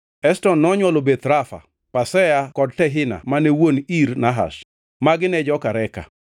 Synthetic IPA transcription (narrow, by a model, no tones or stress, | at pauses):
ɛstɔnːɔɲwɔlobet̪ɾafa̰ | pasɛjakɔd̚tɛɦɪna̰manɛwoniɾnaɦa̰ʃ | maɡɪnɛd͡ʒɔkaɾɛka̰